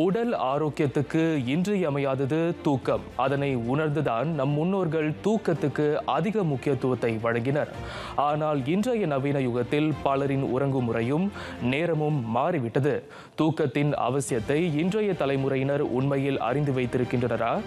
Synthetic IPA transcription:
ʊɽɐlaːɾoːkːɪjɐt̪ːɯkːɯɪndrɐjɐmɐjaːðɐðɯt̪uːkːɐmɐðɐnɐɪʊnɐɾnd̪ɯðaːnnɐmːʊnːoːɾɣɐɭt̪uːkːɐt̪ːɯkːɯɐðɪɣɐmʊkːɪjɐt̪ːɯʋɐt̪ːɐɪʋɐɻɐŋɡɪnɐɾ | aːnaːlɪndrɐːjɐnɐʋiːnɐjʊɣɐt̪ːɪlpɐɭɐɾɪnʊ̰rɐŋɡɯmʊrɐjɯm | neːɾɐmɯmːaːriʋɪʈːɐðɯ | t̪uːkːɐt̪ːɪnɐ̰ʋɐsɪjɐt̪ːɐɪɪndrɐjɐt̪ːɐlɐɪmɯrɐjɪnɐɾʊ̰nmɐjɪlɐ̰rɪnd̪ɯʋɐɪt̪ːɪɾɯkːɪndrɐnɐɾaː

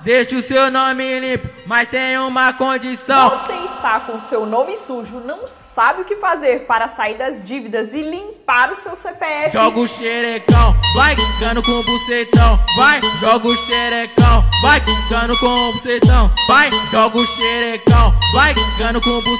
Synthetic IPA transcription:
d̪eʃɪʊsewnõmɪlĩpɪmɐst̪ẽj̃ũmɐkõd͡ʒisɐ̃w̃voseɪst̪akõsewnõmɪsuʒʊnɐ̃w̃sabɪʊkɪfazeɾpaɾɐsaiɾd̪ɐzd͡ʒivid̪ɐzɪlĩpaɾʊsewsepeɛfʒɔɡʊʃeɾekɐ̃w̃vajɡɐ̃nʊkõbusejt̪ɐ̃w̃vajʒɔɡʊʃeɾekɐ̃w̃ajɡɐ̃nʊkõobsejt̪ɐ̃w̃vajʒɔɡʊʃeɾekɐ̃w̃vajɡɐ̃nʊkõbu

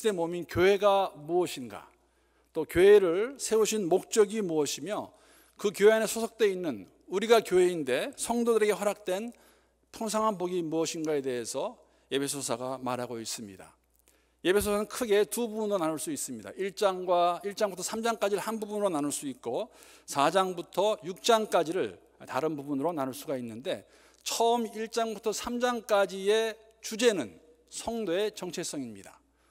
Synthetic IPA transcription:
te̞mominkjoɦe̞ɡamuʌɕʰinɡa̰ | t͈okjoɦe̞ɾɯɭsʰe̞uɕʰinmok̚t͡ɕ͈ʌɡimuʌɕʰimjʌ | kɯkjoɦeanesʰosʰʌk̚t͈we̞inːɯn | uɾiɡakjoɦe̞inde̞sʰʌŋdodɯɾe̞ɡe̞ɸʌɾak̚t͈we̞n | pʰuŋs̬ʰaŋɦanboɡimuʌɕʰinɡae̞de̞ɦe̞sʰʌ | e̞pʰe̞sʰosʰaɡamaɾɦaɡois͈ɯmɲḭda̰ | je̞pʰe̞sʰosʰanɯnkʰɯɡe̞tububunɯɾonanɯɭs͈uis͈ɯmɲida̰ʔiɭt͡ɕ͈aŋɡwaiɭt͡ɕ͈aŋbutʰʌsʰamd͡ʑaŋk͈ad͡ʑiɾɯɭhanbubunɯɾonanɯɭs͈uik̚k͈o | sʰad͡ʑaŋbutʰʌjuk̚t͡ɕ͈aŋk͈ad͡ʑiɾɯɭ | taɾɯnbubunɯɾonanɯɭs͈uɡainːɯnde̞ | t͡ɕʰʌʌmiɭt͡ɕ͈aŋbutʰʌsʰamd͡ʑaŋk͈ad͡ʑie̞ | t͡ɕud͡ʑe̞nɯn | sʰʌŋdoe̞t͡ɕʌŋt͡ɕʰe̞s͈ʌŋimɲḭda̰

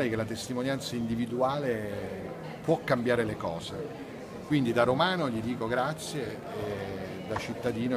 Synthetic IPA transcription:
lekelat̪est̪imonjant̪saind̪ivid̪uaːle | pwɔkːambjaːɾelekɔːze | kwind̪id̪aɾomaːnoʎid̪iːkoɡɾat̪sːjeː | d̪at͡ʃːit̪ːad̪iːno

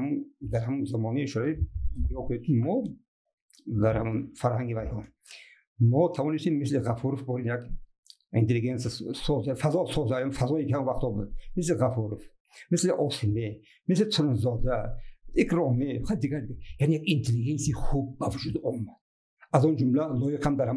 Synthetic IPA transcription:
amund̪aɾhamunzamɔneiʃuɾaid̪iɔkʰuned̪̚kʰimɔ | d̪aɾhamunfaɾhaŋɡivajhɔ | mɔt̪ʰavɔnist̪emːisleʁafuɾufbɔɾinjaɡ | ḭnt̪ʰeliɡensasɔzafazɔsɔzajamfazɔikihamunvaχt̪ʰɔbud̪̚misleʁafuɾuf | misleʔɔsime | mislet̪ʰuɾunzɔd̪aekʰɾɔmeχad̪iɡaɾd̪ɡjanejaɡint̪ʰeliɡensiiχub̚ːavud͡ʒud̪ɔmːad̪̥̚ | azɔnd͡ʒumlalɔjiqʰamd̪aɾha

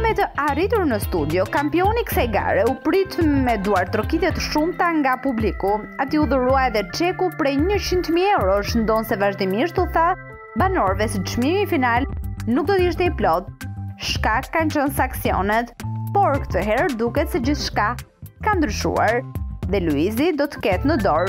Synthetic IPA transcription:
mɛt̪əʔarit̪uɾnəst̪ud̪jɔkampiɔnikə̥sajɡa̰ɾɛupɾit̪mɛd̪uaɾt̪ɾɔkit̪ɛt̪ʃumt̪aŋɡapublikuat̪iuðəɾuaɛðɛt͡ʃɛkupɾɛjɲət͡ɕint̪miɛwɾɔʃənd̪ɔnsɛvaʒd̪imiʃt̪uθa | banɔɾvɛsəəʃmimifinalnuk̚d̪ɔt̪iʃt̪ɛiplɔtʃkakːant͡ʃənsaŋksiɔ̰nɛt̪pɔɾkə̥t̪əɦɛɾd̪ukɛt̪sɛd͡ʑiθʃkakand̪ɾyʃṵa̰ɾðɛluizid̪ɔt̪ə̥kɛt̪nəd̪ɔɾ

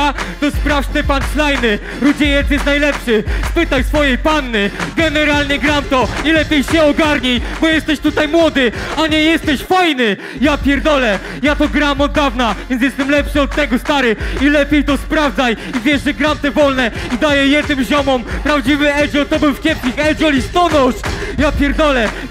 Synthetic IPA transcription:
t̪ɔspɾaft̪ɛpanslajnɘ | ɾud͡ʑɛjɛt̪sjɛst̪najlɛpʂɘspɘt̪ajsfɔjejpanːɘɡɛnɛɾalɲɛɡɾamt̪ɔilɛpʲjejɕɛɔɡaɾɲijbɔjɛst̪ɛɕt̪ut̪ajmwɔd̪ɘaɲɛjɛst̪ɛɕfajnɘ | japʲjɛɾd̪ɔlɛ | jat̪ɔɡɾamɔd̪ːavnavvʲjɛn̬ʲjɛst̪ɛmlɛpʂɨɔt̪ːɛɡɔst̪aɾɘilɛpʲjejt̪ɔspɾavd̪zajivʲjɛʐʐɛɡɾamt̪ɛvɔlnɛid̪ajɛjɛd̪̚nɘmʑɔmɔmpɾavd͡ʑivɘɛd͡ʑɔt̪ɔbɘwfkʲɛpskʲixɛd͡ʑɔlʲist̪ɔnɔʂjapʲjɛɾd̪ɔlɛ

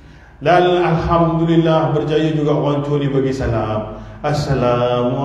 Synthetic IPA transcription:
lanalhamd̪ulilːahbərd͡ʒajəd͡ʒuɡaʔwaɲt͡ʃunibaɡisalamasalam

